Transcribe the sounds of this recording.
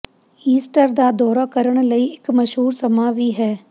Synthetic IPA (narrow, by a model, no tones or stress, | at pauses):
iːsʈəɾd̪aːd̪ɔːɾaːkəɾəɽ̃ləiːɪkməʃɦuːɾsəmaːʋiːɦɛː